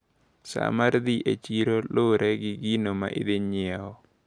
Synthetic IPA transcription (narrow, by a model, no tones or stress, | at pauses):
sa̰maɾd̪iʔet͡ʃiɾoloɾʔɛɡɪɡinoma̰ʔid̪ɪɲɪɛɔ